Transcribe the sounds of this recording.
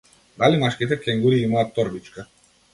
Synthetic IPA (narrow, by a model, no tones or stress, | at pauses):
d̪alimaʃkit̪ɛkɛŋɡuɾiimaːt̪ːɔɾbit͡ʃka